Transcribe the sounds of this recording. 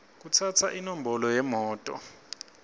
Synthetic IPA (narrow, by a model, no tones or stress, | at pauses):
k̬ut͡sʰatʰaʔinɔm̩bʱɔlɔjɛmɔːtʼɔ̰